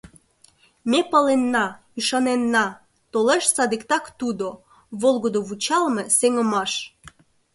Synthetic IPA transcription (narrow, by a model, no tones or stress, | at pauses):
mepəlenːɑ | yʃɑnenːɑ | t̪oleʃsɑd̪ikt̪ɑkt̪ud̪o | βolˠɣod̪oβut͡ɕɑlmeseŋə̆mɑʃ